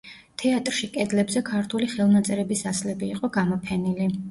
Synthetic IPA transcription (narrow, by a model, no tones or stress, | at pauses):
t̪ʰɛat̪ʼɾʃikʼɛd̪lɛbzɛkʰaɾt̪ʰuliχɛlˠnat̪sʼɛɾɛbisaslɛbiːqʼɔɡamɔpʰɛnili